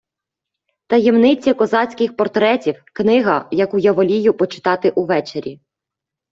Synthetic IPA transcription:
t̪ɐjɛmnɪt͡sʲɐkɔzɑt͡sʲkɪxpɔrt̪ɾɛtʲiwknɪɦɐjɐkujɐʋɔlʲijʊpɔt͡ʃɪ̥t̪ɑt̪ɪʔuʋɛt͡ʃeɾʲi

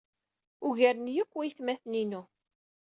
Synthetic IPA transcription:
ʊʝæɾənjəkʷːæjθmæθninu

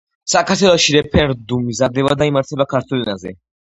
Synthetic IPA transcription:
sakʰaɾt̪ʰwɛlˠɔʃiɾɛpʰɛɾd̪umizad̪ɛbad̪aimaɾt̪ʰɛbakʰaɾt̪ʰwɛlinazɛ̰

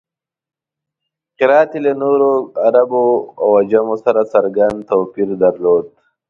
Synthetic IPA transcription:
qɪɾaːt̪ilanoɾoaɾaboawad͡ʒamosaɾasaɾɡand̪t̪oːpiɾd̪aɾloːd̪̚

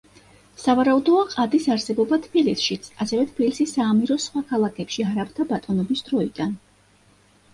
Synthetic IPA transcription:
savaɾaud̪ɔaqʼad̪isaɾsɛbɔbat̪ʰbilisʃit̪sʰasɛvɛt̪ʰbilisisaːmiɾɔsχwakʰalˠakʰɛpʃiaɾapʰt̪ʰabat̪ʼɔnɔbisd̪̥ɾɔid̪̥an

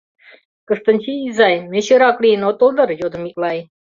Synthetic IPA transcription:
kəst̪ənʲt͡ɕʰiːzajmeɕəɾakʼlinɔt̪ʼuld̪əɾjod̪mikʼlaj

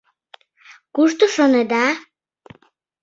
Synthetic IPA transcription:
kuʃt̪oʃoned̪ɑ

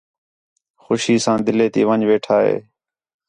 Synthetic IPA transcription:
xʊʃiːsãːd̪ɪleːt̪iːʋəɲʋeːʈʰaːɦḛː

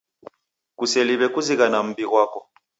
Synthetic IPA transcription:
kusɛliβɛkuziɣanam̩biɣwaːkɔ

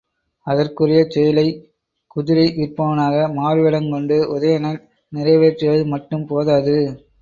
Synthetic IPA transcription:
ɐðɐrkɯrɐjɐt͡ʃɛjɐlɐɪ | kʊðɪɾɐɪʋɪrpɐʋɐnaːɣɐmaːɾɯʋɛɽɐŋkɔɳɖɯʊðɐjɐnɐl | nɪrɐɪʋeːt͡ʃːɛjɐðɯmɐʈːɯmpoːðaːðɯ

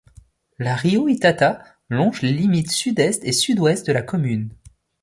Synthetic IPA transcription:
laʁioit̪at̪a | lɔ̃ʒlelimit̪syd̪ɛst̪esyd̪wɛst̪̚d̪əlakɔmyn

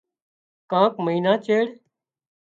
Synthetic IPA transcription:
kãːkməiːnaːt͡ʃeːɽ

